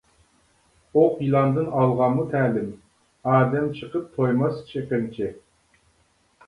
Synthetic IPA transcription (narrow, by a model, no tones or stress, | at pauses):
oqjilˠɑnd̪ɨnɑlˠʁɑnmut̪ʰæːlɪm | ɑːd̪ɛmt͡ʃʰəqəp̚t̪ʰojmɑst͡ʃʰeqənt͡ʃʰɪ